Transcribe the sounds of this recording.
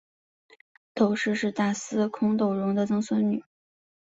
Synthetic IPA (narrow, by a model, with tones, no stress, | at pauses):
t̪o˨˩ʊʂɻ̩˥˧ʂɻ̩˥˧t̪a˥˩sɹ̩˥kʰʊ˥ŋt̪o˥˩ʊɻʊ˧˥ŋd̪ə˧t͡sɤ˥ŋswə˥nny˨˩˦